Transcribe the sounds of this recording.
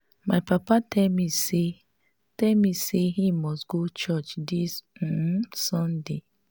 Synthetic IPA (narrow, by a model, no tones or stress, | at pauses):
maɪpapatɛlmise | tɛlmiseɦimɔstɡot͡ʃɔt͡ʃdis̩ | sɔ̃nde